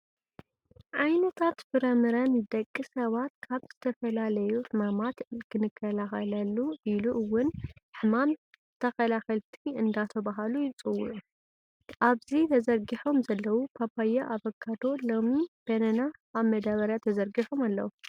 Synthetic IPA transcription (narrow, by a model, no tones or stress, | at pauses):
ʕajnɐt̪ʰat̪fɨɾɐmɨɾɐnd̪ɐkʼːisɐβat̪̚kʰaβz̥ɨt̪ʰɐfɐlalɐjuħɨmamat̪kʰɨnɨkʰːɐlaxɐlɐlːuʔiluʔɨwːʊnħɨmam | t̪ʰɐxɐlaxɐlt̪ʰiɨnd̪at̪ʰɐβaɦalujɪt͡sʼɨwːʊʔu | ʔaβzit̪ʰɐzɐɾɡiħo̞mzɐlːɐwupʰabajaʔaβɐɡʰad̪o̞lo̞mib̥ɐnɐnaːβmɐd̪aβɐɾjat̪ʰɐzɐɾɡiħomalːɐ̰wu